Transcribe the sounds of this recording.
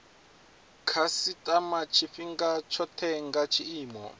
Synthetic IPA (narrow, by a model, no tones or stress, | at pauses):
kʰasitʼamat͡ʃʰiɸiŋɡat͡ʃʰɔtʰɛŋɡat͡ʃʰiiːmɔ̰